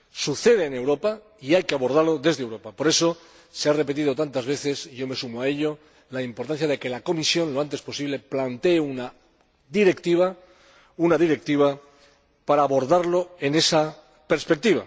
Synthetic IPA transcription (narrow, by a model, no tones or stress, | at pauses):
suθe̞ð̞eːne̞wɾo̞pa | iajkeaβo̞ɾð̞aɾlo̞ðe̞zðewɾo̞papo̞ɾe̞so̞ | seare̞pe̞t̪̬iðo̞t̪ant̪azβ̞e̞θe̞sʝo̞mesumoae̞ʎo̞ | laimpoɾt̪an̟θjaðe̞ke̞lako̞misjõ̞nloant̪e̞spo̞siβle̞plant̪e̞ːuna | ðiɾe̞kt̪iβa | unaðiɾe̞k̚t̪iβ̞a | paɾaːβo̞ɾðaɾlo̞e̞ne̞sa | pe̞ɾspek̚t̪iβ̞a̰